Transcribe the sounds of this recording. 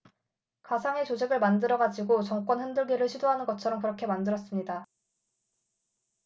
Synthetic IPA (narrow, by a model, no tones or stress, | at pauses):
kasʰaŋe̞t͡ɕod͡ʑʰeɡɯɭmandɯɾʌɡad͡ʑiɡot͡ɕʌŋk͈wʌnhendɯɭɡiɾɯɭɕʰidoɦanɯnɡʌt͡ɕʰʌɾʌmkɯɾʌkʰe̞mandɯɾʌs͈ɯmɲida